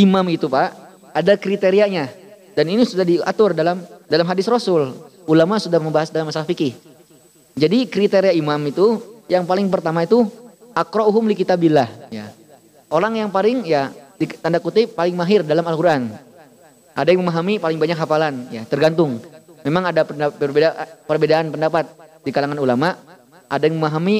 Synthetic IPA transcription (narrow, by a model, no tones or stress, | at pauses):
imamit̪upaʔ | adakɾit̪eɾiaɲa | daninisudahdia̰t̪ʊrdalamdalamɦadɪsrosʊl | ulamasudahməmbaɦasdalamasalahfikɪh | d͡ʒadikɾit̪eɾiaimamit̪ujaŋpalɪŋpərt̪amait̪u | ʔakɾɔuɦʊmlikit̪abilahja | ʔoɾaŋjaŋpalɪŋjadit̪andakut̪ɪpalɪŋmaɦɪrdalamalkuɾʔan | ʔadajaŋməmaɦamipalɪŋbaɲakɦafalanjat̪ərɡant̪ʊŋmemaŋadapənapərbedaʔpərbedaʔːnpəndapat̪̚dikalaŋanulamaʔ | adajaŋməmaɦami